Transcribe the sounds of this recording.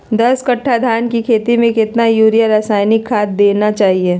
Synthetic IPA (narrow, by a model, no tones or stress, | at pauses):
d̪ɐskɐʈʰːad̪ʱaːnkikʰeːt̪imẽkɪt̪najuːɾijaɾaːsaːɪnɪkʰːaːt̪̚d̪eːnat͡ʃaːɦieː